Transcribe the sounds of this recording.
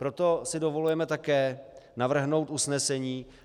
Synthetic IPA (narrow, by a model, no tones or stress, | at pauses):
pɾo̞t̪o̞sɪdo̞vo̞lujɛmɛt̪akɛːnavr̩ɦno̞wt̪ʔusnɛsɛɲiː